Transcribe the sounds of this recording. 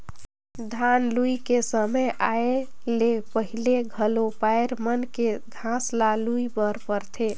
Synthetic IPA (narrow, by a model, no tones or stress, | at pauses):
d̪ʱanluikesəməjʔae | lepəɦileɡʱəlopaeɾmənkeɡʱãslaluibəɾpəɾt̪ʰe